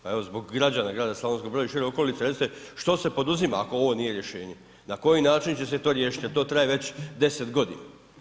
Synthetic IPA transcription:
pae̞ʋo̞zbo̞ɡːɾad͡ʑaːnaɡɾaːd̪asloʋe̞nskobɾojaiʃiɾeo̞ko̞lit̪eɾest̪eʃt̪o̞se̞po̞d̪uzimaako̞o̞ʋo̞nije̞ɾje̞ʃe̞ːɲe̞ | nako̞jinaːt͡ʃint͡ɕe̞set̪o̞ːɾjeːʃit̪jeɾt̪o̞ːt̪ɾajeʋe̞t͡ɕd̪e̞set̪ɡo̞d̪ḭna̰

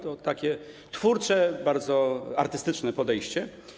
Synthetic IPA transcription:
t̪ɔt̪akʲɛ | t̪fuɾt͡ʂɛbaɾd̪zɔa̰ɾt̪ɘst̪ɘt͡ʂnɛpɔd̪ɛjɕt͡ɕɛ

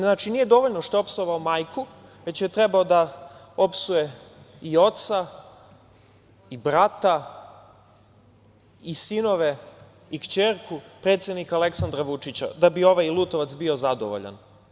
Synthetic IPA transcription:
nat͡ʃinije̞d̪o̞ʋoʎnoʃt̪oopsoʋaomajkʰu | ʋe̞t͡ɕjet̪ɾebaod̪a | o̞psuje̞io̞t̪sa | ibɾat̪a | isino̞ʋe | ikt͡ɕeɾkʰupɾe̞t̪sje̞d̪nikaleksand̪ɾaʋut͡ʂit͡ɕa̰d̪abio̞ʋajilˠuːt̪oʋat̪sbio̞zad̪o̰ʋo̰ʎa̰n

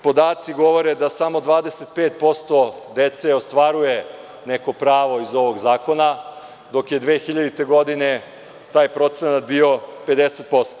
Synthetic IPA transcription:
po̞d̪aːt̪siɡo̞ʋo̞ɾed̪asamo̞d̪ʋaːd̪eset̪̚peːt̪̚po̞st̪o̞ | d̪et̪seost̪ʋaɾuje | neko̞pɾaːʋo̞izo̞ʋo̞ɡzaːko̞na | d̪o̞kje̞d̪ʋeːxiʎad̪it̪e̞ɡo̞d̪ine | t̪aːjpɾo̞t̪senat̪bio̞pe̞d̪eset̪̚po̞st̪o

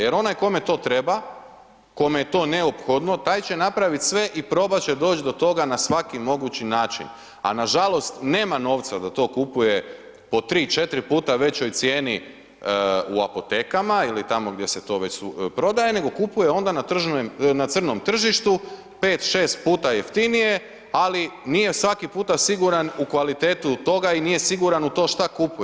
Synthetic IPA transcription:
jeɾo̞najko̞me̞t̪o̞ːt̪ɾe̞ba | ko̞mejet̪o̞ːneopxo̞d̪no̞t̪aːjt͡ɕe̞napɾaʋit̪sʋe̞ʔipɾo̞bat͡ɕed̪o̞ːt͡ʃd̪o̞t̪o̞ɡanasʋakimo̞ɡut͡ɕinaːt͡ʃḭn | a̰naʒalˠo̞st̪neːmano̞ːʋt̪sad̪at̪o̞ːkupuje | po̞t̪ɾiːt͡ʃe̞t̪ɾipuːt̪aʋe̞t͡ɕo̞jt̪sjeːni | ua̰po̞t̪e̞ːkamailit̪amo̞ɡd̪je̞se̞t̪o̞ːʋe̞t͡ɕsupɾo̞d̪aje̞ne̞ɡo̞kupujeo̞nd̪anat̪r̩ʒnat̪sr̩no̞mt̪r̩ʒiʃt̪u | pe̞ːt̪ʃe̞ːst̪̚puːt̪ajeft̪inije̞ | alinije̞sʋakipuːt̪asiɡuɾanukʋalit̪e̞ːt̪ut̪o̞ɡainije̞siɡuɾanut̪o̞ːʃt̪akupuje

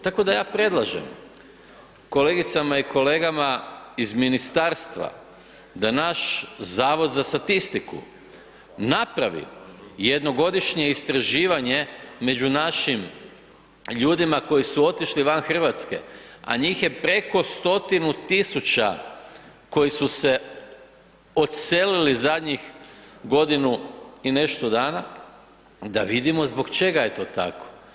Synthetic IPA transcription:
t̪ako̞d̪ajaːpɾe̞d̪lˠaʒḛm | ko̞le̞ːɡit̪samaiko̞le̞ːɡamaizminist̪aːɾst̪ʋa̰ | d̪anaʃzaːʋo̞d̪zast̪at̪ist̪ikṵ | napɾaʋḭjed̪no̞ɡo̞d̪iʃɲe̞ist̪ɾaʒiːʋaɲe̞me̞d͡ʑunaʃim | ʎuːd̪imako̞jisuo̞t̪iʃliʋanxər̩ʋat̪ske̞̰a̰ɲiːxje̞pɾe̞ko̞st̪o̞t̪inut̪isut͡ɕa | ko̞jisuse̞ | o̞t̪selilizad̪ɲixɡo̞d̪inuine̞ʃt̪od̪aːna | d̪aʋid̪imo̞zbo̞ɡt͡ʃe̞ɡaje̞t̪o̞ːt̪a̰ko

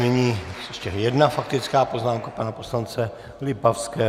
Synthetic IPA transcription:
nɪɲiːjɛʃcɛjɛdnafak̚t̪ɪt͡skaːpoznaːmkapanapo̞slant͡sɛ | lɪbafskɛː

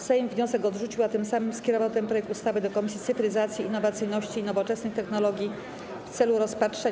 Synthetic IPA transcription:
sɛjmvɲɔ̃sɛkɔd̪ʐut͡ɕiwat̪ɘmsamɘmskʲɛɾɔvawt̪ɛmpɾɔjɛk̚t̪ust̪avɘd̪ɔkɔmʲisʲit̪sɘfɾɘzat̪sʲjiːnːɔvat̪sɘjnɔɕt͡ɕiːnɔvɔt͡ʂɛsnɘxt̪ɛxnɔlɔɡʲji | ft̪sɛluɾɔspatʂɛ

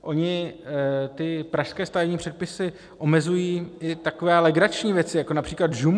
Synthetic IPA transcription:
ʔo̞ɲɪ | t̪ɪpɾaʃskɛːst̪avɛvɲiːpr̝̥ɛt̪̚pɪsɪ | ʔo̞mɛzujiːʔɪt̪akovɛːlɛɡɾat͡ʃɲiːvjɛt͡sɪjako̞napr̥iːklad̪ʒum

